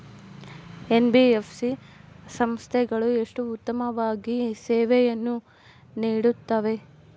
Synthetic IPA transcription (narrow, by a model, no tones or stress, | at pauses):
e̞nbiefʰsisɐmst̪ʰɛɡɐɭue̞ʂʈuːt̪ːɐmɐʋaːɡisɛːʋɛjɐnːu | niːɽut̪ːɐʋe̞